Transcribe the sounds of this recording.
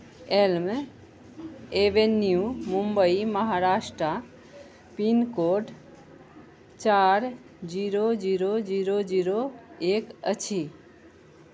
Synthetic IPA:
elm | eʋenjumumbəiməɦaɾaʃʈɾə | pinkoʈ | t͡ʃaɾ | d͡ʒiɾod͡ʒiɾod͡ʒiɾod͡ʒiɾoekət͡ʃʰi

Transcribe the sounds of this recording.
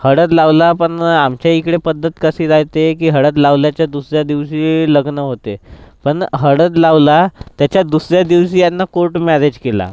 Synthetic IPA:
həɽət̪̬laʋlapəɳamt͡ɕjaikɽepəd̪ʱːət̪kəsiːd͡zajt̪ekiːɦəɽət̪̬laʋljat͡ɕjad̪usɾjad̪iʋɕiːləɡnəɦot̪epəɳɦəɽət̪̬laʋlat̪jat͡ɕjad̪usɾjad̪iʋɕiːjanːakoɾʈmɛɾed͡ʑkela̰

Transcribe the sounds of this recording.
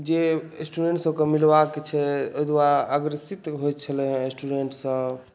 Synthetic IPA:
d͡ʒesʈuɖeɳʈsokemilbakːet͡ʃʰɛoɦjd̪waɾaːɡɾəsit̪ɦojt̪̚t͡ʃʰəlɛɦsʈuɖeɳʈsə̃

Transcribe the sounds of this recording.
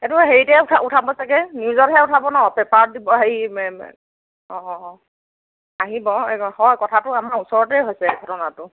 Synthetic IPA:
ɛtʊɦeɹitɛtʰautʰabɔsakɛniuzɔtɦɛutʰabɔnɔɔpɛpaɹ̚dibɔɦeɹimɛ | ɔ̃ | aɦibɔhɔjkɔtʰatʊamaɹusɔɹɔtɛɦojsɛɡʱɔtɔnatʊ

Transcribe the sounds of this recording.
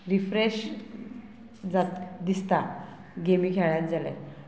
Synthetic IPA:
ɾifɾeɕ | d͡zat̪d̪ist̪a | ɡemiːkʰɛɭjãt̪̚d͡zalḛ

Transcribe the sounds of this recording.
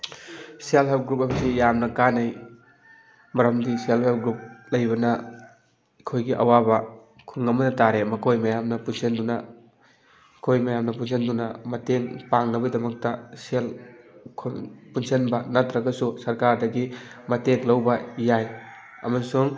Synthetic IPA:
sialpʰep̚ɡɾupɐmsijamnɐkanɐj | mɐɾɐmdiselpʰep̚ɡɾup̚lɐjbɐnɐ | kʰojɡiʔɐwabɐ | kʰuŋɐmɐnɐtaɾemɐkʰojmɐjamnɐpunsʰenduna | kʰojmɐjamnɐpunsʰendunɐmɐteŋpaŋnɐbɐdɐmɐk̚tɐselkʰpunsenbɐnɐtɾɐɡɐsusɐɾkaɾdɐɡimɐteŋlɐwbɐjaj | ɐ̰mɐsuŋ

